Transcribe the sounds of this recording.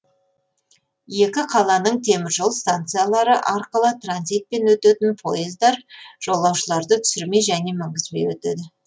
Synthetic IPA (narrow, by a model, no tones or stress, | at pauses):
je̞kʲɪqʰɑlˠɑnəɴt̪ʰe̞mɪɾʒo̞lˠst̪ant̪sɨjalˠɑɾəʔɑɾqəlˠət̪ranzijt̪̚pe̞nwɵt̪et̪ɪnpʰo̞jəzd̪ɑɾʒ̥o̞lˠːɑwʃəlˠɑɾd̪ət̪ʰʏ̥sɪɾme̞ʒæne̞mɪŋɡʲɪzme̞jwɵt̪ḛd̪ɪ